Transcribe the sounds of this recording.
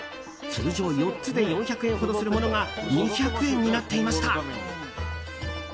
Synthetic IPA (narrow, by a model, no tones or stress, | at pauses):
sɨːʑo̞ːjo̞tt͡sɨd̪e̞jõ̞ɰ̃çakɯ̟ẽŋ̃ɦo̞d̪o̞sɨɾɯ̟mo̞no̞ɡaɲiçʲakɯ̟ẽ̞ɲ̟ːinat̪ːe̞imaɕi̥t̪a